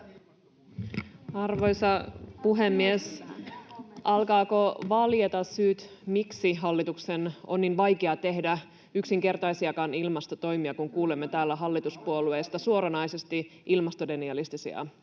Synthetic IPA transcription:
ɑrʋo̞jsɑpuɦemːies | ʔɑlkɑːko̞ʋɑljet̪ɑssyːt̪ | miksiɦɑlːit̪uksenonːinʋɑjkeɑt̪e̞ɦdæ | yksiŋke̞rt̪ɑjsiɑkɑnilmɑst̪o̞t̪o̞jmiɑkuŋkuːlemːet̪æːlːæɦɑlːit̪uspuoluest̪ɑsuoɾɑnɑjse̞st̪iʔilmɑst̪ode̞niɑlist̪isḭɑ̰

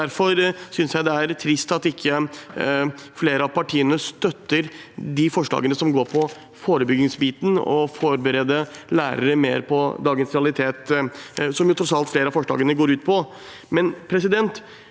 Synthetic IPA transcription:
æɾfɔɾsʏnsjæɪd̪ɛæɾt̪ʰɾɪst̪ɑt̪ɪkʰːə | fleːɾəɑʋpʰɑʈʰiːənəst̪œt̪ːəɾd̪ɪfɔʂɭɑ̰ːɡənəsɔmɡoːɾpʰɔ | foːɾəbʏɡɪŋsbiːt̪n̩ɔ̰fɔɾbəɾeːd̪əlæːɾə̰ɾəmḛːɾpʰɔd̪ɑːɡənsɾɛɑlɪt̪ʰeːt̪ | sɔmjʊt̪ʰɾɔtsɑlt̪fleːɾəɑfɔʂɭɑ̰ːɡənəɡoːɾʉːt̪̚pʰɔ | mɛnpʰɾɛsɪd̪ɛnt̪

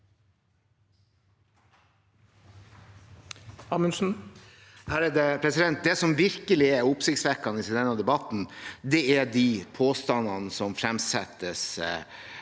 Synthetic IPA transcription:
ɑːmənsn̩ | hæːɾɛd̪əpʰɾɛsɪd̪ɛnt̪̚d̪ɛsɔmʋɪɾkəlɪɛʊpsɪkt̪sʋæɾkɑnəɪsɪd̪ɛnɑd̪ɛbɑt̪n̩d̪ɛæd̪ipʰoːst̪ɑnɑnəsɔmfɾɛmsɛ̰t̪ːəs

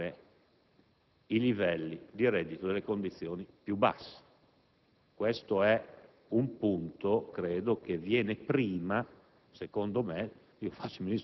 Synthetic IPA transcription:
e | ilivɛlːid̪iɾɛd̪ːit̪od̪elːekond̪it̪sːjoːnipjuba̰sːe̥ | kwɛst̪oɛ | umpunt̪okɾeːd̪okevjɛːnepɾiːma | sekond̪omɛ | iːofat͡ʃːominis

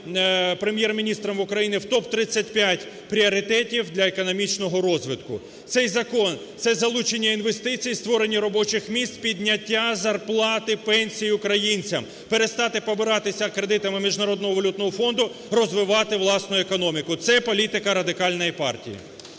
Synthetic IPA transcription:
pɾemʲjɛrmʲinʲist̪ɾɔmʊkɾɐjinɪwt̪ɔpt̪ɾɪt͡sʲːɐtʲpʲjatʲ | pɾʲiɔɾɪt̪ɛtʲiwd̪lʲɐekɔnɔmʲit͡ʃnɔɦɔɾɔzʋɪt̪kʊ̰ | t̪sɛjzɐkɔnt̪sɛzɐlˠut͡ʃenʲːɐinʋe̞st̪ɪt͡sʲijst̪ʋɔɾe̞nʲːiɾɔbɔt͡ʃɪxmʲist̪pʲidʲnʲːɐtʲːazɐrplˠɑt̪ɪpɛnʲsʲijiʊkɾɐjinʲt͡sʲɐm | peɾest̪ɑt̪ɪpɔbɪɾɑt̪ɪsʲɐkɾed̪ɪt̪ɐmɪmʲiʒnɐɾɔd̪nɔɦɔʋɐlʲut̪nɔɦɔfɔnd̪ʊ | rɔzʋɪʋɑt̪ɪʋlˠɑsnʊjʊekɔnɔmʲikʊt̪sɛpɔlʲit̪ɪkɐɾɐd̪ɪkɑlʲnɔjipɑ̰rtʲḭjḭ

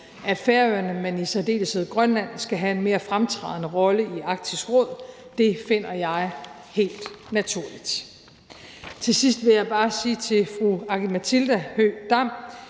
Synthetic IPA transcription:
ʔæd̥feːɐøɐnəmenisæd̥e̝̰ːləsəð̩ˠɡ̥ʁɶnlæn̰sɡ̥æɦæe̝nme̝ːɐfʁamt͡sʰʁɑ̈ð̰ˠnəʁɒ̽ləiɑ̈ɡ̥̚d̥ʰisɡ̥ʁɔ̽ð̞̰ˠ | d̥e̝fe̝n̰ɐjɑ̈ɪ | he̝̰ːld̥ | næt͡sʰuɐ̰lid̥ | t͡sʰe̝sisd̥ʋe̝jɑ̈ɪb̥ɑ̈ːsiːt͡sʰe̝fʁuɑ̈ɡ̥imæt͡sʰild̥æhød̥ɑm̰

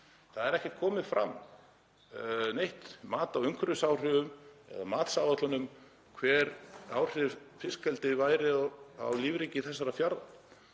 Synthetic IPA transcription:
θaðɛɾɛhcɛ̥ɾt̪kʰɔːmɪðfɾa̰mː | nejht̪maːt̪awʏŋkʰɾʏsawr̥ʏvʏmɛ̰ða̰maːt̪saːvat̪lʏnʏm | kʰvɛːɾawr̥ɪfɪskɛlt̪ɪvaːjɾɪa̰wliːvɾiːcɪθɛsːaɾafjaɾða

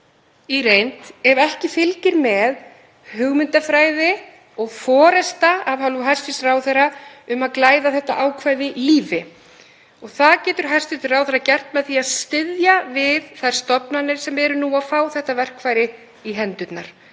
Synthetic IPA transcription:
irejnt̪ɛɾɛhcɪfɪlcɪɾmɛð | hʏɣmʏnt̪afɾaːjðɪ | ɔɣfɔːɾɛst̪aavhaluɦajr̥st̪israːwθɛɾaʏmaðklaːjðaθɛht̪aʔaːwkʰvajðɪliːvɪ | ɔɣθaðcɛːt̪ʏɾ̥ɦaj̥st̪ɪt̪rawθɛɾːacɛr̥t̪mɛðθiaðst̪ɪðjavɪðθajɾ̥st̪ɔpnanɪɾ̥sɛmɛɾʏnuaðfaːwθɛht̪avɛr̥kʰvaːjɾɪ | iɦɛnt̪ʏt̪na̰ɾ̥

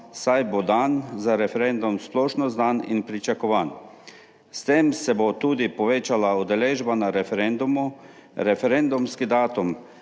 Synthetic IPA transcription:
sajbod̪anzaɾɛfɛɾend̪umsplɔːʃnɔzd̪aninpɾit͡ʃakɔʋaːn | st̪eːmsɛbot̪uːd̪ipɔʋeːt͡ʃalaud̪ɛleːʒbanaɾɛfɾend̪umu | ɾɛfɛɾend̪umskid̪aːt̪um

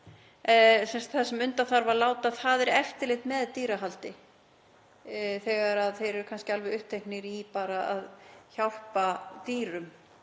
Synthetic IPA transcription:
sɛnst̪θɛsɛmʏnt̪aθaɾvaɾlaːwt̪aðθaðɛɾɛft̪ɪlext̪mɛðt̪iːɾaɦalt̪ɪ | θɛɣaɾaðθejɾɛɾkʰanscɪalvɛðʏhp̚t̪ʰejknɪɾipaːɾaa̰ðçawl̥pat̪iːɾʏm

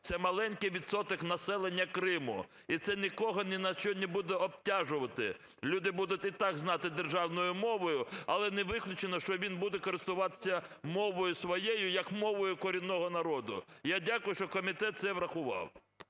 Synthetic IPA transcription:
sɛmɐlˠɛnʲkɪjʋʲid̪sɔt̪ɔknɐsɛlˠenʲːɐkɾɪmʊ̰ | it̪sɛnʲikɔɦɔnɛnɐʃt͡ʃɔnʲɪbud̪ɛɔp̚tʲaʒʊʋɐt̪ɪ̰ | lʲud̪ɪbud̪ʊtʲit̪ɑɡznɑt̪ɪd̪erʒɑwnɔjʊmɔʋɔjʊɐlˠɛnɛʋɪklʲʊt͡ʃenɔʃt͡ʃɔʋʲinbud̪ɛkɔɾɪst̪ʊʋɑt̪ɪ̥sʲːɐmɔʋɔjʊsʋɔjejʊjɐkmɔʋɔjʊkɔɾʲinːɔɦɔnɐɾɔd̪ʊ̰jadʲakʊjʊʃt͡ʃɔkɔmʲit̪ɛt̪̚t̪sɛʋɾɐxʊʋɑ̰w

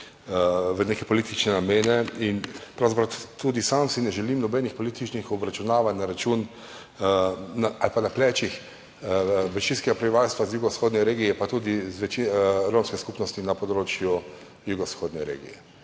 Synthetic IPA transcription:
ʋənekɛpɔlit̪it͡ʃnɛnameːnɛinpɾawzapɾat̪ud̪isamsinɛʒɛlimnɔbɛnixpɔlit̪it͡ʃnixɔbɾat͡ʃunaːʋat̪ʲnaɾat͡ʃuːn | naalpanaplɛːt͡ʃix | bɛɾʃinskɛɡapɾɛbiʋalst̪ʋazjuːɡɔsxoːd̪nʲɛɾeːɡijɛpat̪uːd̪izʋɛt͡ʃiɾomskɛskupnɔst̪inapɔd̪ɾoːt͡ʃju | juɡɔsxoːd̪nɛɾḛːɡḭjɛ

